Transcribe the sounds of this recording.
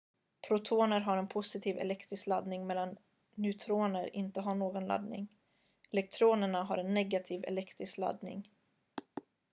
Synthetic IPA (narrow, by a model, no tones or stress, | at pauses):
pʰɾʊt̪ʰoːnəɾɦaɾɛnpʰʊsɪt̪ʰiːvɛ̰lɛkt̪ɾɪsklad̪nɪŋmɛlːan | nʉt̪ʰɾoːnəɾɪ̰nt̪əɦaɳoːɡɔnla̰d̪nɪ̰ŋ | ɛlɛk̚t̪ʰɾoːnəɳaɦaɾɛnːɛɡat̪ʰiːvɛ̰lɛkt̪ɾɪskla̰d̪nɪ̰ŋ